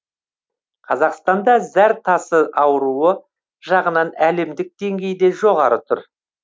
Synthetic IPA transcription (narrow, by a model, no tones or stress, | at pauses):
qʰɑzɑqst̪ɑnd̪ɑzæɾt̪ʰɑsəʔɑwɾuə | ʒɑʁənɑnæle̞md̪ɪk̚d̪e̞ŋɡʲe̞jd̪e̞ʒo̞ʁɑɾət̪ʰʊɾ